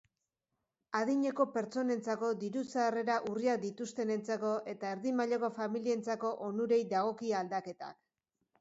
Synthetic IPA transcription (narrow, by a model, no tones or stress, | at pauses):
aðiɲe̞ko̞pe̞ɾt͡so̞ne̞nt͡sako̞d̪iɾut͡saːre̞ɾaʔuriak̚d̪it̪ust̪e̞ne̞nt͡sako̞ʔe̞t̪aeɾðimaʎoko̞familie̞nt͡sako̞ʔonuɾe̞jd̪aɣ̞o̞kiald̪ake̞t̪a̰k